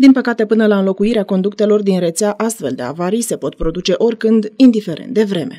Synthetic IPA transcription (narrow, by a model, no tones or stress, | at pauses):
d̪inpəkat̪e̞pɨnəlaɨnlo̞kuiɾeako̞nd̪ukt̪e̞lo̞rd̪inre̞t̪seaʔast̪fe̞ld̪e̞̰a̰vaɾijse̞po̞t̪pɾo̞d̪ut͡ʃe̞ʔo̞rʲkɨnd̪ind̪ife̞ɾʔḛnt̪d̪e̞vɾe̞me̞̰